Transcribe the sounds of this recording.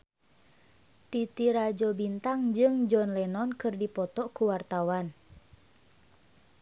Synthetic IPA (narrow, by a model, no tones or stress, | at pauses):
t̪it̪iɾad͡ʒɔbint̪aŋd͡ʒɨŋd͡ʒɔnlɛnɔnkɨrdipɔt̪ɔkuwart̪awan